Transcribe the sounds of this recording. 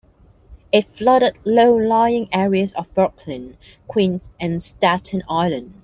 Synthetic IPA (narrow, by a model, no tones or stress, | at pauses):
ɪtflʌɾədloʊlaɪɪ̃ŋɛɹiəzəvbɜkʰlɪ̃n | kʰw̥ĩnsɨ̃nstætʰə̃naɪlə̃nd̥